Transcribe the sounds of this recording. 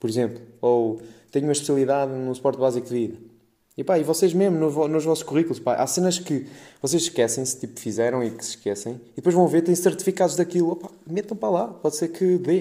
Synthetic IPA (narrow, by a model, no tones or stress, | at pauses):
pɔɾizẽmplˠuot̪ɛɲumɐʃpsɐlˠiðaðnũsu̥pɔɾt̪̚βazikuðiɾ | ipaivɔseʒmeʒmunuvɔnuʒvɔsu̥ʃkuʁikulˠuʃpa̰ʔa̰senɐʃkɨvɔsezʃkɛsɐ̃j̃sɨ̥t̪ipu̥fizɛɾɐ̃w̃iksɨ̥ʃkɛsɐ̃j̃iðɨpojʒvɐ̃w̃veɾt̪ɐ̃j̃sɨɾt̪i̥fikaðuʒðɐkilˠɔpḁmet̪ɐ̃w̃pɾɐlˠapɔðseɾkɨðe